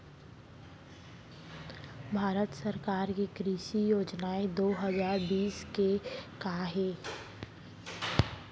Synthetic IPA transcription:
bʱaːɾət̪səɾkaːɾkekɾiːʃijoːd͡ʒnaẽd̪oːɦəzaːɾbiːskekaɦeː

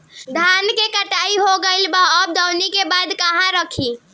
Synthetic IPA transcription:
d̪ʱankekəʈaiɦoɡəɪlbaəb̚d̪əwnikebad̪kəɦãɾəkʰi

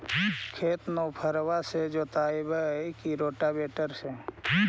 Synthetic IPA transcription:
kʰeːt̪nopʰəɾwased͡ʒoːt̪aːɪbəekiɾoːʈabeːʈəɾse

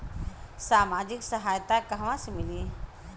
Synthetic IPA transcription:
saːmaːd͡ʒɪksəɦaːjt̪akɐɦʋãsemɪli

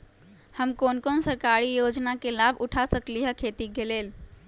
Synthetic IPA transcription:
həmkonkonsəɾkaɾijod͡ʒnakelabʱuʈʰasəkliɦəkʰet̪iɡelel

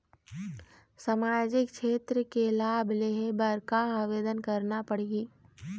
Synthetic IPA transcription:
samaːjd͡ʒɪkʃeːt̪ɾəkelaːbleɦebəɾkaaʋeːd̪ənkɐɾnapɐɽ̤iɡiː

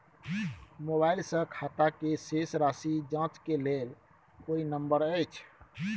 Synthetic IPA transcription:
moβajilsə̃kʰat̪akesesɾasid͡ʒãt͡ʃkelel | koinəmbəɾəjt͡ʃʰ

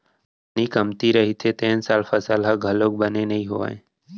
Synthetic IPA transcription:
niːkəmt̪iɾəɦiːt̪ʰeːt̪eːnsaːlfʰəsalɦaɡʱəloːk̚bəneːnəĩːɦoʋa̰ːẽː

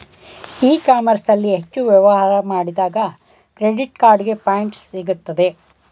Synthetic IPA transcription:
iːkaːmɐɾsɐlːiɦet͡ʃːuʋjɐʋɐɦaːɾɐmaːɽid̪aːɡɐ | kɾeɖiʈkaːɾɖɡe̞paːjiɳʈsiɡut̪ːɐd̪e̞

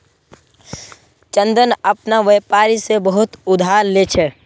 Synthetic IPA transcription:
t͡ʃə̃nd̪ənəpnaʋeːpaːɾisebəɦʊt̪ʊd̪ʱaːɾlet͡ʃʰɛ

